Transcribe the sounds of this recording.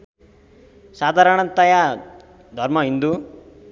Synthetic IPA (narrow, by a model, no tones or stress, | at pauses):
sad̪ʱaɾʌɳ̃ʌnt̪ʌja | d̪ʱʌɾmʌɦind̪u